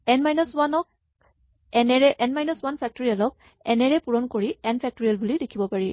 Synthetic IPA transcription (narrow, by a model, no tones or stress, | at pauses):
ɛnmajnɔswanɔk̚ | ɛnɛɹɛʔɛnmajnɔswanpʰɛk̚toɹialɔk̚ | ɛnɛɹɛpuɹɔnkoɹiɛnpʰɛk̚toɹialbulidekʰibɔpaɹi